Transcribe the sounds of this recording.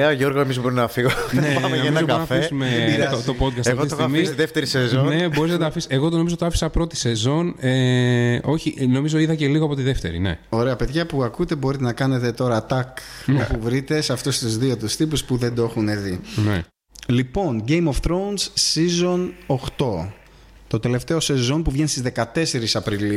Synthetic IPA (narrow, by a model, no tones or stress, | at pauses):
eɐoʝo̞ɾɣoemizbo̞ɾinɐfiɣonenoeizopɐɐfeisumeiot̪opo̞t̪̚kɐstɐfɣoiosmisiðeft̪eɾisezonne̞bo̞ɾiznɐd̪ɐfiseɣo̞t̪ono̞mizot̪oɐfi̥sɐpɾo̞t̪i̥se̞zo̞ne | o̞çiʔno̞mizo̞iðɐce̞liɣoɐpot̪iðe̞ft̪e̞̰ɾḭnḛo̞ɾe̞ɐpe̞ðʝɐpuɐkut̪e̞bo̞ɾit̪enɐkɐne̞t̪e̞t̪o̞ɾɐt̪ɐk | opuvɾit̪e̞sɐft̪ost̪uzðio̞t̪̬ust̪ipuspuðe̞nd̪oexuneðine | lipo̞nɟe̞jmofθɾo̞nsːizo̞noxt̪o̞ | t̪o̞t̪e̞le̞ft̪e̞o̞se̞zo̞npuvʝenst̪izðe̞kɐt̪e̞se̞ɾisɐpɾili